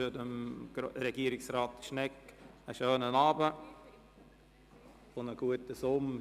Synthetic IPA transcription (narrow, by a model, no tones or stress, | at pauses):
ədəm̥ɾɛɡ̥iːəɾɪksraːt̪əʃnɛkəʃøːnənɑːbə | fʊnəɡ̥uətəsʊm